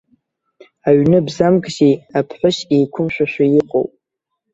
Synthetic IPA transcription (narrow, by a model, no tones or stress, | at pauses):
aɥnɨbzamɡʼʒejapʰħʷʊʃejkʷʰʊmʃʷᶣaʃᶣʷajɪqʼo̰wpʼ